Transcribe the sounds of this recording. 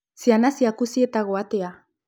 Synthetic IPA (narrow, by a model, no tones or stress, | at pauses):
sianasiakusiet̪aɣoat̪ea